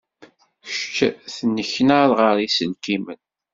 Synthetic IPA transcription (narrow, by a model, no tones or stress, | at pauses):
çt͡ʃːθənːəçnaɾˤʁəɾisənkimə̰n